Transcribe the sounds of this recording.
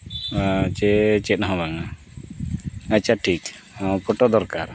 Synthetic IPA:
t͡ʃɛt͡ʃɛt̪̚ɦɔ̃baŋa | at͡ʃaʈʰik | pɔʈɔd̪ɔɾkaɾ

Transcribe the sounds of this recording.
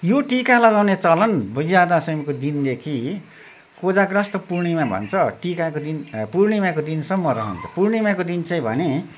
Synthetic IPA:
joʈikalʌɡawnet͡sʌlʌnbʌjad̪asʌjmkod̪ind̪ekʰi | kod͡zakrʌst̪ʌpurɳimabʱʌ̰nt͡sʰʌʈikakod̪inpurɳimãkod̪insʌmːʌɾʌɦʌ̰nt͡sʰʌ̥purɳimakod̪int͡sʌj̃bʱʌ̰ne

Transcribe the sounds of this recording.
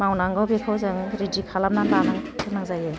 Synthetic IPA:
mawnaŋɡawbekʰawzɯŋɾidikʰalamnaŋɡanaŋʰɯnaŋzaje

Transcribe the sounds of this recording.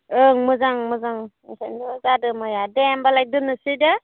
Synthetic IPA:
ɯŋmɯzaŋmɯzaŋ | sandzadɯmajadɛmbalajk̚dɯnɯsida

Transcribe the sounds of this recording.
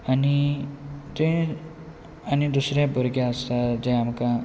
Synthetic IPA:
ani | t̪ẽ | anid̪usɾjãbəɾɡjaəst̪ad͡zɛ̃amkã

